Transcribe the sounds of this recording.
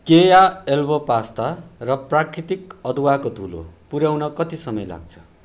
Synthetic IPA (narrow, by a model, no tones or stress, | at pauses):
kejaelbʌpast̪arʌprakɾit̪ikʌd̪ʱwakod̪ʱulo̰puɾjawnʌkʌt̪isʌmʌjla̰ɡ̚t͡sʰʌ̥